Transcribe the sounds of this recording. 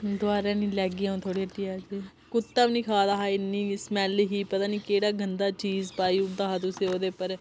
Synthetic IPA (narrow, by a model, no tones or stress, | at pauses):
d̪ʊaːɾẽːnĩːlɛːɡiãõːt̪ʰoːɽiːət̪iaːd͡ʒeː | kʊt̪ːəʋniːkʰaːd̪aːɦaːɪnːĩːsmɛːliɦiːpət̪aːniːkeːɽaːɡʱənd̪aːt͡ʃiːzpaːiːʊʈd̪aːɦaːt̪ʊsẽːoːd̪eːpəɾ